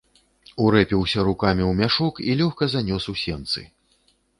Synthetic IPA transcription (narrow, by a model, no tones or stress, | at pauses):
uɾɛpʲiwsʲɐɾukamʲiwmʲaʂukilʲɔxkɐzanʲɔsusʲɛnt̪sɨ̰